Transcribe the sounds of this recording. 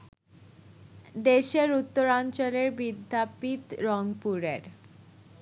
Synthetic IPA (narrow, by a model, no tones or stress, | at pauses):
d̪eʃeɾut̪ːoɾant͡ɕoleɾbid̪ʱːapit̪ɾɔŋpuɾḛɾ